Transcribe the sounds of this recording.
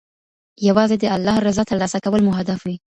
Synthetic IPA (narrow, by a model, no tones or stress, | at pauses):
jawɑzed̪əalːɑhɾɪzɑt̪əɾlɑsakawəlmʊɦad̪afwi